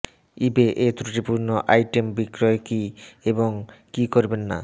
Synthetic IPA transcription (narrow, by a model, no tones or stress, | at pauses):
ibeʔet̪ɾuʈipuɾnoʔajʈembikɾoekieboŋkikoɾbenːa̰